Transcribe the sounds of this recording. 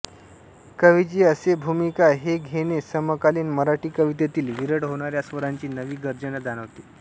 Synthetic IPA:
kəʋid͡ʑiːəsebʱumikaɦeɡʱeɽesəməkaliːnməɾaʈiːkəʋit̪et̪iːlʋiɾəɽɦoɽ̃aɾjasʋəɾaɲt͡ɕiːnəʋiːɡəɾd͡ʑənad͡zanəʋt̪iː

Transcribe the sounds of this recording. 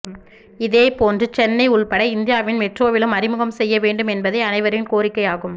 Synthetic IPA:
ɪðeːpoːndrɯt͡ʃɛnːɐɪʊɭpɐɽɐɪɪnd̪ɪjaːʋɪnmɛʈroːʋɪlɯmɐɾɪmɯɣɐmsɛjːɐʋeːɳɖɯmɛnbɐðɐɪɐnɐɪʋɐɾɪnkoːɾɪkːɐɪaːɣɯm

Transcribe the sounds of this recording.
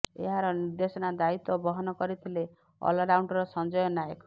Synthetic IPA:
ḛɦaɾɔniɾd̪esɔnad̪ait̪ɔbɔɦɔnɔkɔɾit̪ʰile | ɔ̰lɔɾawɳʈɔɾɔsɔnd͡ʒɔjɔnajek

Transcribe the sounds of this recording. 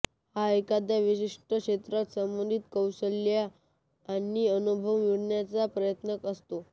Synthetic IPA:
haekad̪jaʋiɕiʂʈʰəkʂet̪ɾat̪səmbənd̪ʱit̪kəwsəljaː | niːənubʱəʋmiɽɳjat͡sapɾəjət̪nəkəst̪o

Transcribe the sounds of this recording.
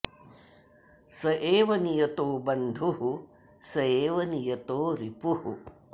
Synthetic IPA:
sɐʔeːʋɐnijɐt̪oːbɐnd̪ʱuɦu | sɐeːʋɐnijɐt̪oːɾipuhṵ

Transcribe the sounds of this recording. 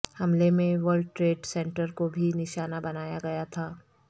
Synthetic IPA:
hɐmlemẽʋəɾlɖʈɾeːɖsɛ̃ɳʈəɾkobʱinɪʃaːnabɐnaːjaɡɐjat̪ʰaː

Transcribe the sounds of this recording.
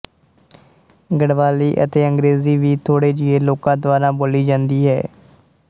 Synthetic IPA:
ɡəɽʋaːliːʔə̰t̪eːə̃ŋɡɾeːziːʋiːt̪ʰoːɽeːd͡ʒɪeːloːkãːd̪ʋaːɾãːboːliːd͡ʒãːnd̪iːɦɛ̰ː

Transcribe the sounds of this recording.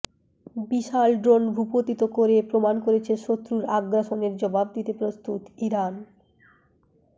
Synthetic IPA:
biʃalɖɾonbʱupot̪it̪okoɾepɾomankoɾet͡ɕʰeʃot̪ːɾuɾaɡɾaʃoneɾd͡ʑɔbab̚d̪it̪epɾost̪ut̪iɾan

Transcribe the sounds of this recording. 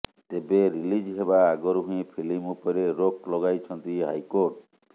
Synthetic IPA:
t̪ebeɾilid͡ʒɦebaːɡɔɾɦũẽpʰilimupɔɾeɾoklɔɡajt͡ʃʰɔnt̪iɦajkoɾʈ

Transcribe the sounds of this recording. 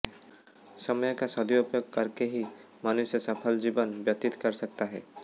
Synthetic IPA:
sɔmɔjɔkasɔd̪iupjoɡ̚kəɾkeɦi | manusjɔsʌpʰəld͡ʒibɔnbjɔt̪it̪kɔɾsəkt̪aɦɛ̰

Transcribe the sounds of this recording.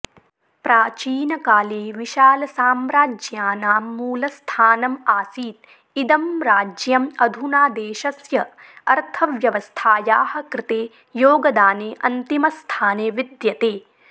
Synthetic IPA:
pɾaːt͡ʃiːnɐkaːleːʋiʃaːlɐsaːmɾaːd͡ʒjaːnaːmːuːlɐst̪ʰaːnɐmaːsiːt̪̚ | id̪ɐmɾaːd͡ʒjɐmɐd̪ʱunaːd̪eːʃɐsjɐ | ɐɾt̪ʰɐʋjɐʋɐst̪ʰaːjaːhɐ̆kɾɪt̪eː | joːɡɐd̪aːneːʔɐnt̪imɐst̪ʰaːneːʋid̪jɐt̪eː

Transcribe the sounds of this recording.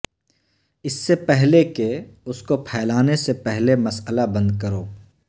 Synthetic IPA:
ɪsːepɛɦlekeʊskopʰɛːlaːnesepɛɦlemɐsəlabɐ̃nd̪kɐɾoː

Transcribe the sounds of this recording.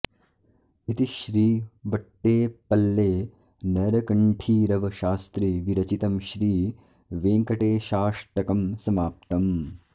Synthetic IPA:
it̪iʃɾiːʋɐʈːeːpɐlːeː | nɐɾɐkɐɳʈʰiːɾɐʋɐʃaːst̪ɾiʋiɾɐt͡ʃit̪ɐmʃɾiː | ʋeːŋkɐʈeːʃaːʂʈɐkɐmsɐmaːp̚t̪ɐm

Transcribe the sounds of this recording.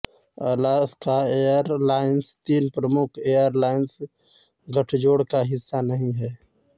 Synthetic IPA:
əlaːskaeːjəɾlaːɪnst̪iːnpɾəmʊkʰeːjəɾlaːɪns | ɡəʈʰd͡ʒoːɽkaɦɪsːanɐɦĩɦɛː

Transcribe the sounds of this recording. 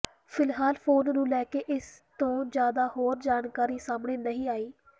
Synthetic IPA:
pʰɪlɦaːlpʰoːnnũːlɛːkeːʔɪst̪õːd͡ʒjaːd̪aːhoːɾd͡ʒaːnkaːɾiːsaːmɳeːnəɦĩːaːiː

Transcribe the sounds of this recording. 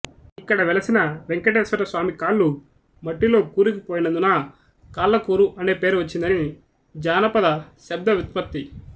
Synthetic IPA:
ikːɐɽɐʋɛlɐsinɐʋeŋkɐʈeːsʋɐɾɐsʋaːmikaːɭːu | mɐʈːilo̞ːkuːɾikipoːjinɐd̪unɐ | kaːlːɐkuːɾuʔɐne̞ːpe̞ːɾuʋɐt͡ʃːind̪ɐni | d͡ʒaːnɐpɐd̪ɐʃɐb̚d̪ɐʋit̪̚pɐp̚t̪i

